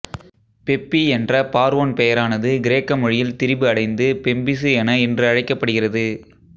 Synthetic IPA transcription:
pɛpːiɛndrɐpaːɾʋoːnpɛjɐɾaːnɐðɯɡɪɾeːkːɐmɔɻɪjɪlt̪ɪɾɪbɯɐɽɐɪnd̪ɯpɛmbɪsɯɛnɐɛndrɯɐɻɐɪkːɐpːɐɽɯɣɪrɐðɯ

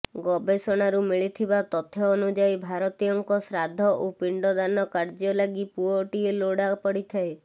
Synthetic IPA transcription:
ɡɔbesɔɽ̃aɾumiɭit̪ʰibat̪ɔt̪ʰɔːnud͡ʒajbʱaɾɔt̪ijɔŋkɔsɾad̪ʱɔʔupiɳɖɔd̪anɔkaɾd͡ʒɔlaɡipuɔʈieloɽapɔɽit̪ʰae

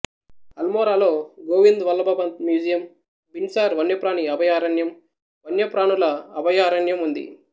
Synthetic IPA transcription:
ɐlmoːɾaːlo̞ːɡoːʋind̪ʋɐlːɐbɐbɐnt̪mjuːd͡ʒijɐm | binsaːɾʋɐnjɐpɾaːniɐbɐjaːɾɐnjɐm | ʋɐnjɐpɾaːnulɐːbɐjaːɾɐnjɐmund̪ḭ

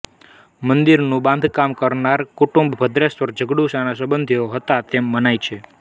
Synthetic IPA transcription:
mənd̪iɾnũbãnd̪ʱkamkəɾnaɾkuʈũmbbʱəd̪ɾesʋəɾd͡ʒəɡɽuʃanas̬əbənd̪ʱioɦət̪at̪emːənajt͡ʃʰe

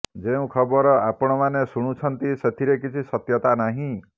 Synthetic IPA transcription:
d͡ʒeũkʰɔbɔɾɔapɔɽ̃ɔmanesuɽ̃ut͡ʃʰɔnt̪iset̪ʰiɾekit͡ʃʰisɔt̪jɔt̪anaɦĩ

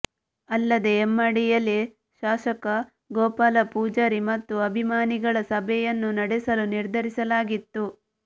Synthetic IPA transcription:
ɐlːɐd̪e̞ːmːɐɽijɐlːi | ʃaːʃɐkɐ | ɡɔːpaːlɐpuːd͡ʒɐɾimɐt̪ːuɐbʱimaːniɡɐɭɐsɐbʱɛjɐnːunɐɽɛsɐluniɾd̪ʱɐɾisɐlaːɡit̪ːu

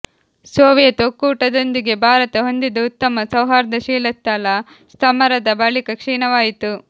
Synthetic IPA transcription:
soːʋjɐt̪okːuːʈɐd̪o̞nd̪iɡe̞bʱaːɾɐt̪ɐɦo̞nd̪id̪ɐut̪ːɐmɐsɐwɦaːɾɐd̪ɐʃiːlɐt̪ːɐlɐ | st̪ʰɐmɐɾɐd̪ɐbɐɭikɐkʂiːnɐʋaːjit̪u

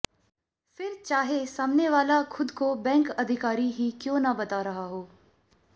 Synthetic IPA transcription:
fɪɾt͡ʃaːɦesaːmneʋaːlakʰʊd̪kobɛ̃ːŋkɐd̪ʱɪkaːɾiɦikjõːnabɐt̪aɾɐɦaɦoː

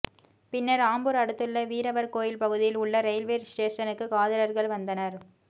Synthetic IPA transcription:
pɪnːɐɾaːmbɯɾɐɽɯt̪ːɯlːɐʋiːɾɐʋɐɾkoːjɪlpɐɣɯðɪjɪlʊɭːɐɾɛɪlʋeːɾsʈeːʂɐnɯkːɯkaːðɐlɐɾɣɐɭʋɐnd̪ɐnɐɾ

